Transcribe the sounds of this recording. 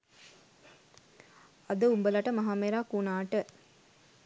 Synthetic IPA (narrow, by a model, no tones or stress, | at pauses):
ɐd̪əumbəlɐʈəmɐɦaːmeɾaːkunaːʈə